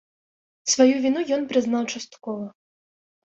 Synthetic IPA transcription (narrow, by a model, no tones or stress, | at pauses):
svajuvʲinujɔnpɾɨznawt͡ʂast̪kɔvɐ